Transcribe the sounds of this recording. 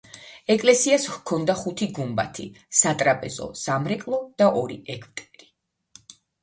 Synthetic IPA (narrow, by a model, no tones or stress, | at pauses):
ɛkʼlɛsiaskʰɔnd̪aχut̪ʰiɡumba̰t̪ʰḭsat̪ʼɾapʼɛzɔ̰samɾɛkʼlˠɔd̪̥aʔɔɾḭɛkʰvt̪ʼɛɾi